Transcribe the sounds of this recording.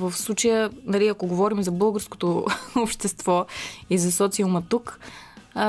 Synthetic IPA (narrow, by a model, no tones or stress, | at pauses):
vəfslˠut͡ʃəjənɐliɐkoɡovɔɾimzɐbɤlˠɡəɾsko̥t̪oopʃt̪ɛst̪v̥ɔizɐsɔt̪siəlmɐt̪uk